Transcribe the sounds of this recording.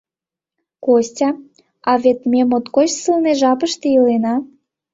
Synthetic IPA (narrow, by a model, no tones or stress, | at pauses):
kosʲtʲɑ | ɑβet̪mʲemot̪kot͡ɕsɨlneʒɑpəʃt̪ejilenɑ